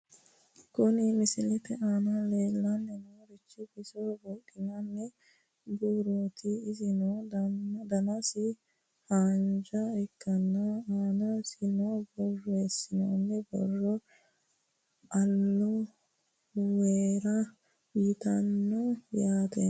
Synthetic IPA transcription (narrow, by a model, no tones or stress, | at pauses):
kʊnɪmɪsɪlɛtːɛʔaːnɐleːlːɐnːɛnoːɾɪt͡ʃːɪbɪsobɔkʼːɪɲɐnːɛ | buːɾot̪ɪɪzɪnoːd̪ɐnɐsɪ | haːnd͡ʒɐɪkːɐnːɐaːnɐsɪnobɔrːɔɛsːɪnonːɛbɔ̰rːɔ | ɐlːɔ | weːɾɐ | jɪt̪ɐnːɔjaːt̪e